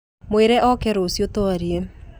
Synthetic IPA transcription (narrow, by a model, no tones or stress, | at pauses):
mweɾɛʔɔkɛɾosjotoaɾie